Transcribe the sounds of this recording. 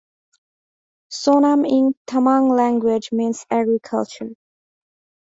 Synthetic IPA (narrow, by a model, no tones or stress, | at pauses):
sɔnəmɪ̃ntʰəmãŋlæ̃ŋɡwɪd͡ʒmĩːnsæɡɹikʰʌ̰lt͡ʃə˞